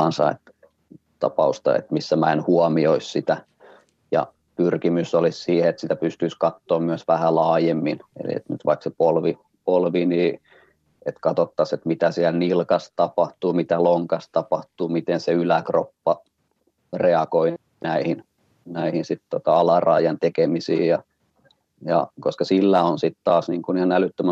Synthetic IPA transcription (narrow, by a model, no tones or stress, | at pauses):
ɑnsɑ̰ḛt̪ | t̪ɑ̰pɑ̰ust̪ɑ̰ḛt̪misːæmæenhuɑmioissit̪æ | jɑ̰ | pyrkimysːolissiːheet̪sit̪æpyst̪yiskɑt̪ːoːmmyøsʋæhælɑːjemːinḛlḭḛt̪ny̰t̪ʋɑiksepolʋi | polʋiniː | et̪kɑt̪ot̪ːɑset̪mit̪æsiælnilkɑst̪ɑpɑht̪uːmit̪æloŋkɑst̪ɑpɑht̪uːmit̪enseylækropːɑ | reɑkoi | næihin | næihinsit̪t̪ot̪ɑɑlɑrɑ̰ːˑijɑnt̪ekemisḭːjɑ | jɑ̰koskɑsilːæonsit̪t̪ɑːsniːŋkunihɑnælyt̪ːømæ